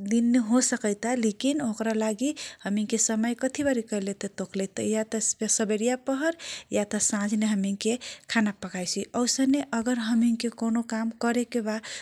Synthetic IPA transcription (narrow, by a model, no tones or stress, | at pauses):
d̪inːəɦosəkəjt̪alekinokɾalaɡihəmiŋkesəməjkət̪ʰibaɾikəilet̪ət̪oklet̪əjat̪əsəbeɾijapəɦəɾjat̪əsãd͡ʒʱneɦəmiŋkekʰanapəkʰajt͡ʃʰiəwsəneʔəɡəɾɦəmiŋkekonokamkəɾekeba